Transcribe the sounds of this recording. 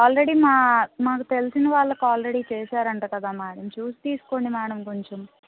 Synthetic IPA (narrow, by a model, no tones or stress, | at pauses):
aːlɾe̞ɽiːmaːmaːkut̪e̞lisinɐʋaːɭːɐkaːlɾe̞ɽiːt͡ʃeːʃaːɾɐɳʈukɐd̪aːmaːɽɐmt͡ʃuːsi̥t̪iːsu̥ko̞ɳimaːɽɐmko̞ɲt͡ʃem